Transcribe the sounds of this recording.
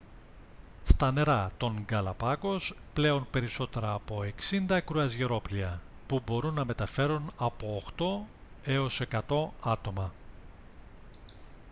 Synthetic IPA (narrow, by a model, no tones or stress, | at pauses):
st̪ɐne̞ɾɐt̪o̞ŋɡɐlɐpɐko̞sple̞o̞npe̞ɾiso̞t̪e̞ɾɐːpo̞e̞ksind̪ɐkɾuɐzʝeɾo̞pliɐ | pubo̞ɾunːɐme̞t̪ɐfe̞ɾunɐpo̞ːxt̪o̞ | e̞o̞se̞kɐt̪o̞ɐt̪o̞mɐ